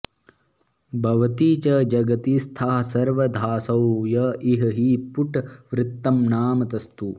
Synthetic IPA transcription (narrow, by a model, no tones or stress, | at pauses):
bʱɐʋɐt̪iːt͡ʃɐd͡ʒɐɡɐt̪ist̪ʰaːɦɐsɐɾʋɐd̪ʱaːsɐwjɐʔiɦɐɦipuʈʋɾɪt̪ːɐmnaːmɐt̪ɐst̪u